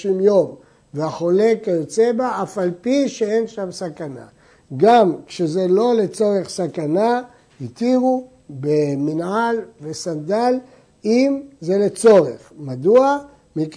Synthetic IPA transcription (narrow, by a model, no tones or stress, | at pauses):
imjo̞m | veaχo̞le̞kajot͡sebaafalpiʃeenʃamsakana̰ | ɡamkʃezelo̞le̞t͡so̞ʁe̞χsakana | hit̪iʁu | beminʕalve̞sand̪al | imze̞le̞t͡so̞ʁeχmad̪ua | mik